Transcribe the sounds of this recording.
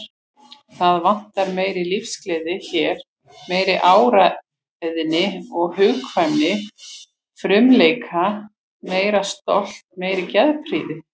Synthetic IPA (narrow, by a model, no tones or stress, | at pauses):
θaðvan̥t̪aɾmeːjɾilifsklɛːðɪçɛɾ̥ | meːjɾɪʔaːwɾa | ðɪnɪɔɣhʏːkvanːɪ | fɾʏmleːjkʰa | meːjɾast̪ɔl̥t̪̚meːjɾɪcɛðpʰɾiːðɪ